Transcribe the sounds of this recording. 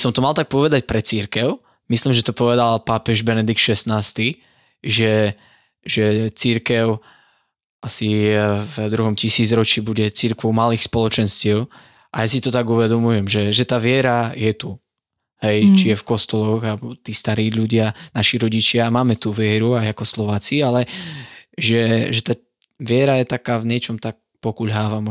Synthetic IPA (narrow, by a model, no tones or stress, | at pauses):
sɔmt̪ɔmalt̪ak̚pɔʋɛd̪ac̚pɾɛt͡siɾkɛʊ | misliːmʒɛt̪ɔpɔʋɛd̪alpapɛʒbɛnɛd̪ik̚t̪ʃɛsnaːst̪i | ʒɛ | ʒɛt͡siɾkɛʊ | ʔasivd̪ɾuɦɔmcisiːd͡zɾɔt͡ʃibuɟɛt͡siɾkʋɔʊmaliːxspɔlɔt͡ʃɛnscɪɛʊ | ʔajasit̪ɔt̪aɡuʋɛd̪ɔmujɛmʒɛʒɛt̪aːʋɪɛɾajɛt̪u | hɛjt͡ʃijɛfkɔst̪ɔlɔɣalɛbɔt̪iːst̪aɾiːʎuɟɪanaʃiɾɔɟit͡ʃɪamaːmɛt̪uʋɪɛɾuajakɔslɔʋaːt͡sialɛ | ʒɛʒɛt̪a | ʋɪɛɾajɛt̪akaːvɲɪɛt͡ʃɔmt̪ak̚pɔkuʎɦaːʋamɔ